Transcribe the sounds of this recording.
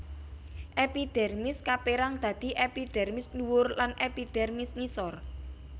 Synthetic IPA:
ʔepiɖ̪̥ɛ̤rmɪskapeɾaŋd̪̥ä̤d̪̥i̤ʔepiɖ̥ɛ̤rmɪsluwʊrlanʔepiɖ̥ɛrmɪsŋisɔr

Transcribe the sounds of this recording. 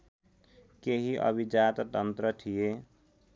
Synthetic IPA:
keɦiʔə̰bʱid͡ʒat̪t̪ənt̪ɾət̪ʰije

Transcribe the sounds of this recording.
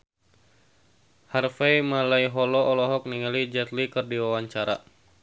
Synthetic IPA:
harfɛjmalaiɦɔlɔʔɔlɔɦɔk̚niŋalid͡ʒɛt̪likɨrdiwawaɲt͡ʃaɾa

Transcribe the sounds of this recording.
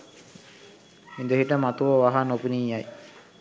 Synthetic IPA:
mid̪əɦiʈəmat̪uʋəʋaɦanopuniːjaj

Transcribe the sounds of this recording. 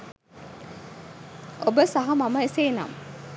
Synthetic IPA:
obəsaɦɐmaməeseːna̰m

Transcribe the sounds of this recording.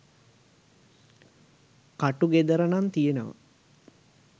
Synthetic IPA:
kaʈuɡed̪əɾənant̪ijenəʋə̰

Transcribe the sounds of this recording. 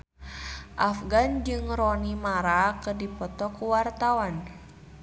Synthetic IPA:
ʔafɡand͡ʒɨŋɾɔnimaɾakɨrdipɔt̪ɔkuwart̪awan

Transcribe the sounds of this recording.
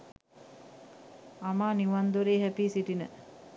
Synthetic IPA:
amaːniʋand̪uɾeːɦæpiːsiʈinə

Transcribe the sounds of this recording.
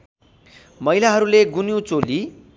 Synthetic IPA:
mʌjlaɦʌɾuleɡunjut͡soli

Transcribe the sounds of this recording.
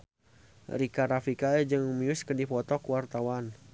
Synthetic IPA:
rikaɾafikaɛd͡ʒɨŋmiʊskəndipɔt̪ɔkuwart̪awan

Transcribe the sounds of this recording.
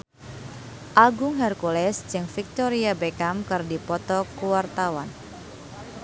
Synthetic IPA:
ʔaɡʊŋhɛrkulɛsd͡ʒɨŋfik̚t̪ɔɾiabekamkɨrdipɔt̪ɔkuwart̪awan

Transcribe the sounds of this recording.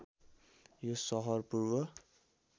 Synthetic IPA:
josʌɦʌrpuɾwʌ

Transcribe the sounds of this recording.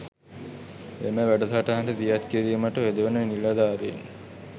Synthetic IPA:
ḛməʋæɖət̪aʈaɦaɳʈət̪ijat̪kiɾiːməʈəʋed̪əʋənənilad̪aːɾein

